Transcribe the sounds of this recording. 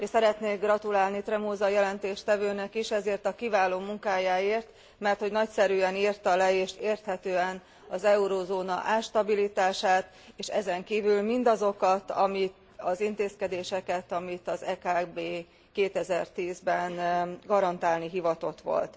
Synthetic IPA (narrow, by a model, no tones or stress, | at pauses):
eʃsɛɾɛt̪neːɡrɒt̪ulaːlnit̪rɛmoːzɒjɛlɛnt̪eːʃt̪ɛvøːnɛkiʃɛzeːrt̪ɒkivaːloːmuŋkaːjaːeːrt̪ | mɛrt̪ho̞ɟnɒcsɛɾyːɛniːrt̪ɒlɛeːʃeːrt̪hɛt̪øːɛn | ɒzɛuɾoːzoːnɒ̰ʔaːʃt̪ɒbilit̪aːʃaːt̪ | eːʃɛzɛŋkiːvylmind̪ɒzo̞kɒt̪ɒ̰mit̪ | ɒzint̪eːskɛd̪eːʃɛkɛt̪ɒmit̪ɒzɛkaːbeː | keːt̪ɛzɛrt̪iːzbɛnɡɒɾɒnt̪aːlniɦivɒt̪o̞t̪ʋo̞̰lt̪